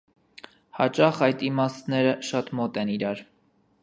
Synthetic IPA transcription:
hɑt͡ʃɑχɑjt̪imɑst̪nɛɾəʃɑt̪mɔt̪ɛniɾɑɾ

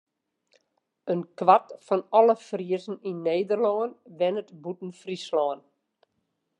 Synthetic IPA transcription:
ənkʋatfɔnɔləfriəzn̩inːeːdərlɔːənʋɛnətbutn̩frislɔːən

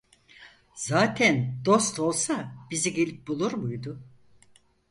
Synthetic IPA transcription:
zaːt̪ʰænd̪o̞st̪ʰo̞lˠsabiziɡe̞lʲip̚bulˠuɾmujd̪ʊ

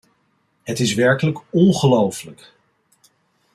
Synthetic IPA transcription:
ɦətɪsʋɛɹkələkɔnχəlowfələk

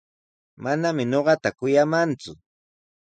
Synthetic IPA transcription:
manamɪɲoɢɑt̪akʊjamant͡sʊ

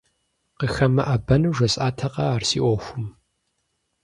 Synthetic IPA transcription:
qəxɐmɐʔaːbɐnuːʒʷɐsʼʔaːtʰɐqɐaːrsḭːʔʷɔxʷʊm

